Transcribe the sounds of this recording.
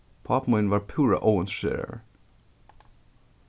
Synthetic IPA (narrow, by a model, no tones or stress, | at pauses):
pʰɑːpmɔɪnʋɑːɹpʰʉːɹə̰ʔoʊənsʃḛːɹə̰ɹ